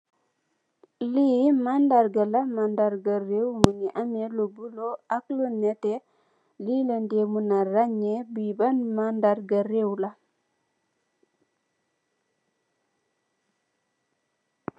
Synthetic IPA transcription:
liːmandaɾɡalamandaɾɡaɾewməŋiʔamelobuloaklunete | liləndemunaɾaɲebibanmandaɾɡaɾewla

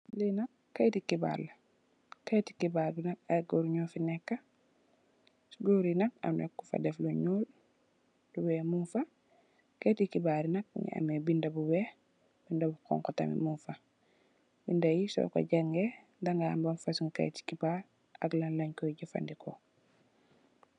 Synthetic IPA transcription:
linɐkːajtikiba̰ɾla | kajti̥kibaɾbinɐk̚aɡoɾɲɔfinɛkːa | sɡoɾinɐk̚a̰nekːufa̰dɛfluɲuːl | duwɛːmunfa | ketikibaɾinɐk̚ɲḭʔa̰mebindabuwɛ | b̥indabukɔ̰ŋkɔta̰mḭmunfa | bindajisɔ̰ka̰ɟaŋɡe | daŋɡa̰ːmbanfasuŋka̰jti̥kibaɾ | a̰ɡlanlaɲkɔjɟufa̰ndikʰo̰

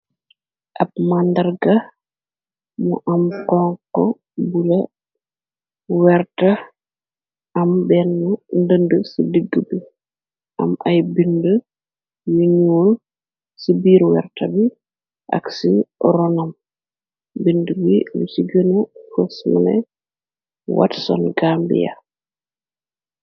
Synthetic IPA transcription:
ʔɐbmandɐrɡɐ | muʔɐmkɔŋkːɔ | bulɐ | wɛrtɐ | ʔɐmbɛnːundəndəsidəɡːəbi | ʔɐ̰mʔɐjbində | juɲuwol | sibiːɾwɛ̰ɾtabi | ʔa̰ksiɾɔnam | bindəbilusiɡənufəsma̰nɛ̰ | wa̰tsɔ̰nɡaːmbḭja̰

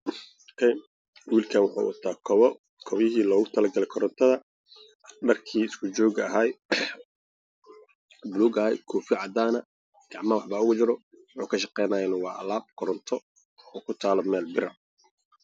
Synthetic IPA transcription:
kʰɛj | wiːlkʰaːnwʊħa̰ːwʔɔ̰t̪ʰaːkʰɔβɔ | kʰɔβjɪɦiːlɔːɣʊt̪ʰɐlɐɡɐlɛkʰɔɾɔnt̪ʰɐðɐ | ɖɐrkʰiːɪskʰʊt͡ʃɔːɣɐɦaːj | bluːɡɐɛ̰jkʰɔːfjʕɑd̪aːnɐ | ɡ̥ɑʕmɐwɑħbaːʊɣʊt͡ʃɪɾɔ | wħuːkʰɐʃɑqɛjnaːjnɐwɑːʔɐ̰laːb̚kʰɔɾɔnt̪ʰɔ | ɔːkʰʊt̪ʰaːlɔmɛːlbɪɾɐ

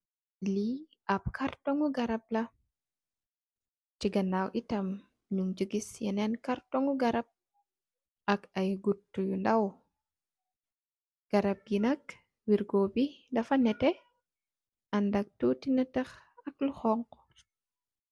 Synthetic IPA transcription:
liʔɐp̚kʰartɔŋuɡɐɾɐp̚lɐ | t͡ʃiɡɐnawʔitɐm | ɲuŋd͡ʒəɡisjɛnɛnkaɾtɔŋuɡɐɾɐp̚ | ʔɐkɐjɡutːujundɐw | ɡ̥ɐɾɐp̚jinɐk | wiɾɡɔːbidɐfɐnɛtɛ | ɐndɐk̚tutinɐtɐx | ɐk̚luxɔŋk

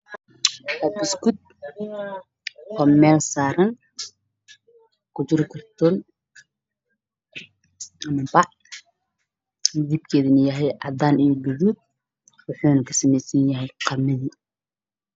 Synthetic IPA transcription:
hɐbɪskʊd̪̚ | ʔʰɔːmɛːlsaːɾɐn | kʰʊd͡ʒɪɾɪkʰɐrt̪ʰɔːn | ʔɐmɐbɑʕ | d̪ib̚kʰɛːðɪnɐjɐɦɛjʔɑ̰d̪aːnijɔɡʊðuːd̪̚ | wʊħuːnɐkʰɐ̥sɐmɛjsɐnjɐɦɛjqʰɑmɪði

